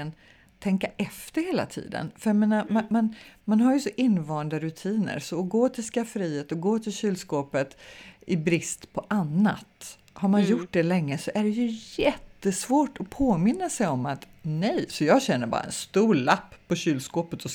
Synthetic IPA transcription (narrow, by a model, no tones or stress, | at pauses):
ən | t̪ʰɛŋkaʔɛft̪əɾheːla̰t̪ʰḭːd̪ə̰nfœɾjameːnamamanmanɦaɾjɵsɔʔɪnːvɑːɳd̪aɾɵt̪ʰiːnə̰ɾsɔːɡoːt̪ʰɪlskafəɾiːheːt̪ɔɡoːt̪ʰɪlɕyːlskoːpət̪ʔɪbɾɪst̪pʰɔʔanːa̰t̪ | haɾmanjʊʈ̚ːɖ̪ɛlɛŋːəsɔʔæɖɛjɵjɛt̪ːəsvoːʈɔpʰoːmɪnːasɛjɔmat̪nɛjsɔjɑːɡɕɛnːəɾbɑ̰ːɾa̰ɛ̰nst̪uːɭapːpːɔɕyːlskoːpət̪ʰɔ